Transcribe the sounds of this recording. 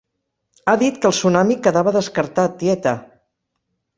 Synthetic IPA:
aðit̪kəlˠsunamikəðaβəðəskəɾt̪at̪̚ːiɛt̪ə

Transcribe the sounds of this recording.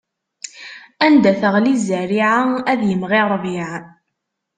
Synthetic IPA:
ænd̪æθəʁlizːæɾiʕaæðjəmʁiɾˤviʕ

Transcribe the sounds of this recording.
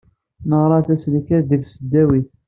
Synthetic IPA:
nəʁɾˤɑθæslikæðivsəd̪ːæwiθ

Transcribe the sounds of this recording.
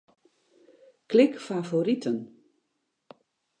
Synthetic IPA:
klɪkfavoɾitʰən

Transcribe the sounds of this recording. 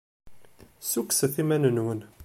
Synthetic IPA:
suksəθimænənwən

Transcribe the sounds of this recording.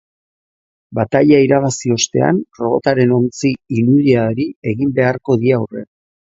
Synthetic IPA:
bat̪aʎaiɾaβ̞asio̞st̪e̞̰a̰nro̞βo̞̰t̪aɾe̞no̞nt͡siːnuðiaɾie̞ɣimbe̞aɾko̞ðiawre̞̰

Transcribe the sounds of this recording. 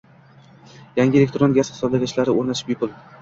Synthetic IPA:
jaŋɡʲɪelʲekʲt̪ɾonɡʲaz̥χɪ̥sɒblaɡʲaʃlaɾɪoɾnat̪ʰɪ̥pbɪpʰʊlˠ

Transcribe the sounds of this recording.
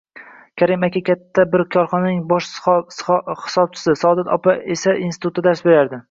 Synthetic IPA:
kʲʰaɾɪmakʲakʲat̪ʰːabɪɾkʲʰɒɾχɒnanɪŋbɒʃ | hɪ̥sɒb̚t͡ʃʰɪ̥sɪsɒd̪at̪ʰɒ̰paʔesaʔinsɪt̪ʰʊt̪ːad̪aɾsbe̞ɾaɾd̪ɪ

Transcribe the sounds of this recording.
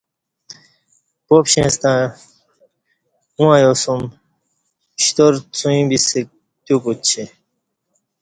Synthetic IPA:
popɕẽːst̪ã | ũãjosum | ɕt̪oɾt͡sũĩbisek̚ | t̪jukut͡ɕʰe

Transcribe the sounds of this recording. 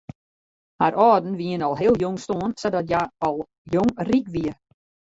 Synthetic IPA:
haɾʔɔːdn̩ʋiənɔlˠɦɪlˠjoŋstoənsadɔtjaɔlˠ | jɔŋrikʋiə

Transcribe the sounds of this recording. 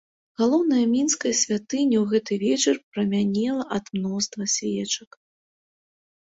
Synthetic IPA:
ɣalˠɔwnɐjɐmʲinskɐjɐsʲvʲat̪ɨnʲɐwɣɛt̪ɨvʲɛt͡ʂɐrpɾɐmʲanʲɛlˠɐʔɐd̪mnɔst̪vɐsʲvʲɛt͡ʂɐk

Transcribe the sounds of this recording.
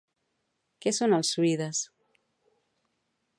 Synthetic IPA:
kesonalˠsːuiðas

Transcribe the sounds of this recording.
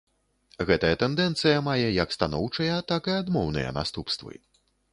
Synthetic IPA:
ɣɛt̪ɐjɐt̪ɛnd̪ɛnt̪sɨjɐmajɛjɐkst̪anɔwt͡ʂɐjɐt̪akɨad̪mɔwnɨ̰jɐ̰na̰st̪upst̪vɨ̰

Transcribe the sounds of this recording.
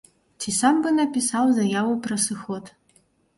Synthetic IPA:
tʰisambɨnapʲisawzɐjawopʰrɐsɨxotʰʼ

